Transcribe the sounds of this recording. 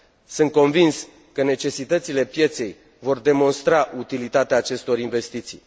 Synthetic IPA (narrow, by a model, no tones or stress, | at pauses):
sɨnt̪̚ko̞nvins | kəne̞t͡ʃe̞sit̪ət̪sile̞pje̞t̪se̞j | vo̞rd̪e̞mo̞nst̪ɾaʔut̪ilit̪at̪eaːt͡ʃe̞st̪o̞ɾinve̞st̪it̪sij